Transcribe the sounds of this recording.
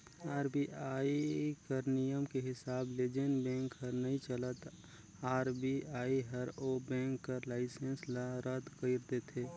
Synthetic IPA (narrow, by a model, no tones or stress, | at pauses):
aːɾbiʔaːikəɾnijəmkeɦɪsaːbleːd͡ʒenbɛ̃ːŋkɦəɾnɐɦĩt͡ʃələt̪ | aːɾbiaːiɦəɾobɛ̃ːŋkːəɾlaːɪsə̃nslaɾəd̪kəɪɾt̪et̪ʰeː